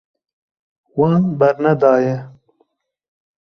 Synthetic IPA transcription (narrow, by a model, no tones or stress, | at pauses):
wɑːnbɐɾnɐd̪ɑːje